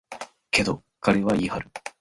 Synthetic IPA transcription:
ke̞d̪o̞ | kaɾe̞βaihaɾɯ̟

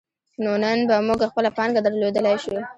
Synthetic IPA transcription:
nonənbamuɡaxpəlapɑŋɡad̪əɾlod̪əlajʃu

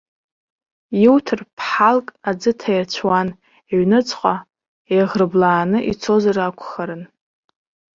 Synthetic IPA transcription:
jiwtʰɨrpʰħalkʼad͡zɨtʰajat͡ɕʷʰwan | eɥnɨt͡sʼqʷʼa | ejʁrɨblaːnɨʔḭt͡sʰo̞zarakʷʰʼχaɾɨn

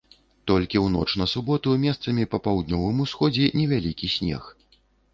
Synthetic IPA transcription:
t̪ɔlʲkʲiwn̪ɔ̰t͡ʂn̪ɐsubɔt̪umʲɛst̪sɐmʲipɐpawd̪̚nʲɔvɨmusxɔd͡zʲɛnʲɛvʲalʲikʲisʲnʲɛ̰x

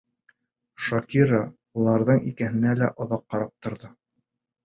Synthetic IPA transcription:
ʃɑkʲiɾa | ulˠɑɾðɤɴikæɦɘ̆nælæʔŏðɑqːɑɾɑp̚t̪ŏɾðɤ

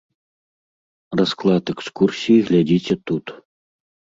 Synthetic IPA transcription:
rasklˠɑt̪ɛkskursʲiiɣlʲadʲitʲet̪ut̪

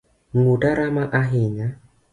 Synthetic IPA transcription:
ŋudaɾamaʔaɦiɲa

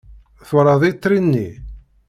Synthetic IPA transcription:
θʊɾˤɑðˤit̪ˤːɾinːi

